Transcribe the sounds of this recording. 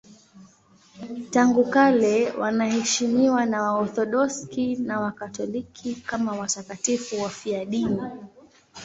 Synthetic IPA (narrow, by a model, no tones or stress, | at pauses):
taŋɡukalɛwʔa̰nahɛʃimiwanawaɔθɔɗɔskinawakatɔlikʰikamawatakatifuwafiaɗini